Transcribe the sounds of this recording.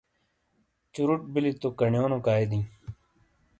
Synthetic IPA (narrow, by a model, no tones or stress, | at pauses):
t͡ɕuɾuʈ̚bilit̪okɐɳjoːnõkaːid̪ĩː